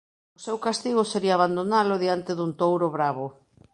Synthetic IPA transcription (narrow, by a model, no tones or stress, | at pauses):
ʊsewkast̪iɣʊseɾiaːβand̪onalʊðiant̪eðunt̪owɾʊβɾaβʊ